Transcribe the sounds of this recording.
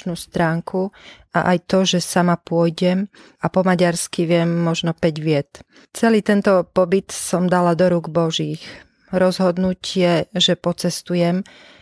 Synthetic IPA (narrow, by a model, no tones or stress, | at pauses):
nuːst̪ɾaːŋkʰuʔa̰ʔajt̪ɔʒɛsamapʊɔjɟɛm | apɔmaɟaɾskiʋɪɛmːɔʒnɔpɛɟʋɪɛt̪ | t͡sɛliːt̪ɛnt̪ɔpɔbit̪sɔmd̪alad̪ɔɾuːɡbɔʒiːx | ɾɔzɦɔd̪nucɪɛʒɛpɔt͡sɛst̪ujɛm